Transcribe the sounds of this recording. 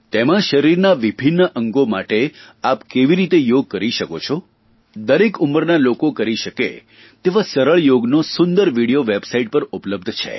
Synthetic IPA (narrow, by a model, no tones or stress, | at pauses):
t̪emãʃəɾiɾnaʋibʱinːəʔəŋɡomaʈe | apkeʋiɾit̪ejoɡ̚kəɾiʃəko̰t͡ʃʰɔ | d̪əɾekuməɾnalokokəɾiʃəkḛ | t̪eʋãsəɾəɭjoɡnosʊnd̪əɾʋiɽijoʋebsaiʈ̚pəɾupləb̚d̪ʱt͡ʃʰḛ